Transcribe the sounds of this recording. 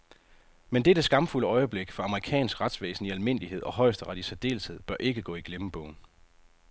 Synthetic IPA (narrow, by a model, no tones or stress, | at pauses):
mend̥eɐd̥e̝sɡ̥ɑ̈mfuləɒ̽ɪəb̥leɡ̥fɑ̈ɑ̈məʁikʰɛ̰ːnsɡ̥ʁɑ̈d̥sʋḛːsn̩iælme̝n̰lihe̝ð̞̰ˠɒ̽hɒ̽ɪsd̥əʁɑɾ̥isʰed̥e̝̰ːlshe̝ð̞̰ˠb̥ɶɐʔe̝ɡ̥əɡ̥ɔ̰ːiɡ̥leməb̥ɔ̰̽ʊ̰n̩